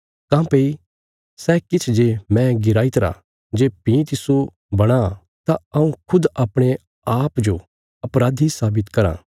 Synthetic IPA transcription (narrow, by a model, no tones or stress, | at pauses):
kãːpeːi | sɛkɪt͡ʃʰd͡ʒemɛ̃ɡɪɾaːɪt̪ɾa̰ | d͡ʒeːpĩt̪ɪso | bɐɽ̃a | t̪aɐũkʰʊd̪ɐpɽ̃e | aːpd͡ʒo | ɐpɾaːd̪ʱisaːbɪt̪kɐɾã̰ː